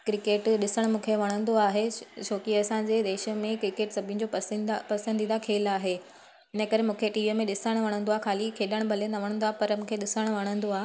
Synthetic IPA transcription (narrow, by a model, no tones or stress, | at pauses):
kɾɪkeːʈɗɪsəɽ̃mũːkʰeʋɐɽ̃ə̃nd̪oaːɦet͡ɕʰoːkiɐsãd͡ʑeːd̪eːʃə̆mẽkɾɪkeːʈsɐbʱɪ̃̆d͡ʑopɐpɐsə̃nd̪ind̪akʰeːlaːɦeː | ɪnəkɐɾemũːkʰeʈiːʋimẽɗɪsəɽ̃ʋɐɽ̃ə̃nd̪oaːɦexʰaːlikʰeːɗəɽ̃bʱɐlenɐʋɐɽ̃ə̃nd̪oaːɦepɐɾmũːkʰeɗɪsəɽ̃ʋɐɽ̃ə̃nd̪oaːɦe